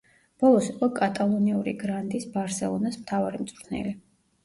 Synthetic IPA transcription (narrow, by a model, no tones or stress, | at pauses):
b̥ɔlˠɔsiqʼɔkʼat̪ʼalˠɔniuɾḭɡɾand̪isbaɾsɛlˠɔnasmt̪ʰavaɾimt̪sʼɾt̪ʰnɛ̰li